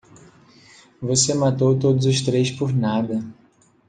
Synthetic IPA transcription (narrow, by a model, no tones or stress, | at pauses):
vosemat̪owt̪od̪ʊzʊʃt̪ɾejspʊɾnad̪ɐ